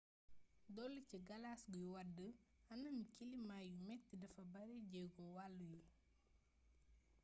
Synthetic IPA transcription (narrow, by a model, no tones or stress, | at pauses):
dɔlːiciɡɐlasɡujuwɐdːəɐnɐnikilimaːjumɛtːidɐfɐbɐɾeɟɛɡɔwalːuju